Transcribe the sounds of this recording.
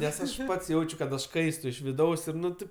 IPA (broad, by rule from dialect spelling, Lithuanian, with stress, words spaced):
ˈnʲɛs ˈɐʃ ˈpɐts ˈjɛʊt͡ʃʲʊ kɐt ɐʃ ˈkɐɪstʊ ɪʃ ʋʲɪˈdɐʊs ˈɪr ˈnʊ ˈtʲeːp